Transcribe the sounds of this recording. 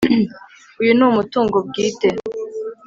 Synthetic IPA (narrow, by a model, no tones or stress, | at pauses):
ujunumutuːŋɡob̚ɡiːte